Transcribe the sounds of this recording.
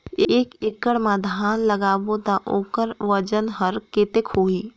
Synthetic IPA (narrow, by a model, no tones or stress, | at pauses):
eːkekːəɽmãd̪ʱaːnlɐɡaːʋõd̪aʔoːkəɾʋɐd͡ʒənɦəɾkeːt̪ekɦoːiː